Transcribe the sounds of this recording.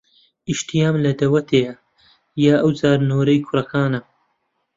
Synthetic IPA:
iʃt̪ijaːmlɐd̪ɐwɐt̪ʰeːjɐ | jaːʔɐwzaːɾnoːɾɐjkʰʊɾɐkʰaːnɐ

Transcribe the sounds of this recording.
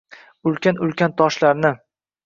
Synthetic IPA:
ʊlkʲanʊlkʲʰant̪ʰɒʃlaɾnɪ

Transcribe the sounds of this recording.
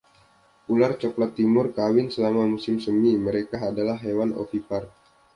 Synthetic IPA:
ulart͡ʃɔklat̪ːimʊrkawɪnsəlamamusɪmsəmiməɾekaːdalahɦewano̰fipar

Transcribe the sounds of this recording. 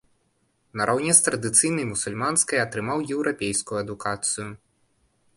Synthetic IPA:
nɐɾʔawnʲɛst̪ɾɐd̪ɨt̪sɨjnɐjmusulʲmanskɐjɐt̪ɾɨmawjɛwɾapʲejskujuɐd̪ukat̪sɨjʊ

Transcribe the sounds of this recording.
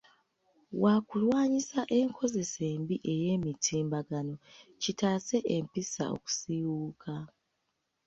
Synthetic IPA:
wakulwaːɲisaʔe̞ŋkʰo̞ze̞se̞ːmbiʔe̞je̞ːmitʰiːmbaɡano̞citaːse̞ʔempisa̰o̞̰ku̥siwuːkʰa

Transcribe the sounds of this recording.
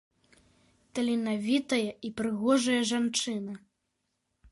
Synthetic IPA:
t̪ɐlʲinavʲit̪ɐjɐipɾɨɣɔʐɐjɐʐant͡ʂɨnɐ

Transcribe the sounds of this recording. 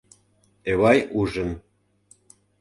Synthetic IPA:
eβɑjuʒə̆n

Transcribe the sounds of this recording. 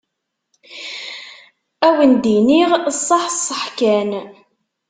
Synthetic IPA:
æwənd̪iniʁsˤːɑħsˤːəħkæn

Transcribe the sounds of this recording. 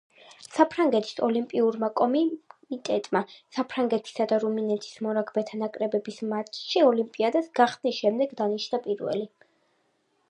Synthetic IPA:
sapʰɾaŋɡɛt̪ʰi̥sɔlimpʼiuɾmakʼɔmit̪ʼɛt̪ʼmasapʰɾaŋɡɛt̪ʰi̥sad̪aɾuminɛt̪ʰi̥smɔɾaɡʰbɛt̪ʰanakʼɾɛbɛbismat͡ʃʰʃiɔlimpʼiad̪asɡ̥aχsnisʃɛmd̪ɛɡd̪aniʃnapʼiɾvɛ̰li

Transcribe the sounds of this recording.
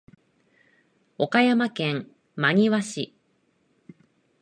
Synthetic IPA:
o̞kajamakẽ̞ŋ | maɲ̟iβaɕḭ

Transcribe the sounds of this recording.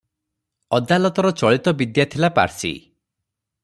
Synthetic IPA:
ɔd̪alɔt̪ɔɾɔt͡ʃɔɭit̪ɔbid̪jat̪ʰilapa̰ɾsḭ

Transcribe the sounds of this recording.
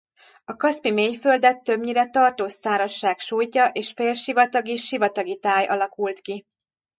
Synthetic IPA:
ɒkɒspimeːjfø̞ld̪ɛt̪ːøbɲiɾɛt̪ɒrt̪oːsːaːɾɒʃːaːkʃuːjcɒʔeːʃfeːlʃivɒt̪ɒɡiʃivɒt̪ɒɡit̪aːjʔɒlɒkult̪ki

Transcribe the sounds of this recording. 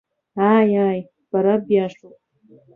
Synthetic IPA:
ajaj | b̥aɾabjaʂopʼ

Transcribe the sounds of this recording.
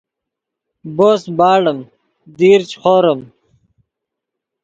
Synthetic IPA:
boːsbaːɽəm | d̪iːɾt͡ɕχoːɾəm

